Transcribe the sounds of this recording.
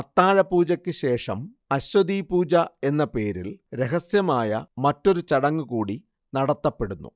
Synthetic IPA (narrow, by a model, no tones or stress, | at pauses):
ɐt̪ːaːɻɐpuːd͡ʑɐkʲːɨɕe̞ːʂɐm | ɐɕwɐd̪ipuːd͡ʑɐe̞nːɐpe̞ːɾilɾe̞ɦɐsjɐmaːjɐmɐtːo̞ɾut͡ɕɐɽɐŋːukuːɽi | nɐɽɐt̪ːɐpːe̞ɽunːṵ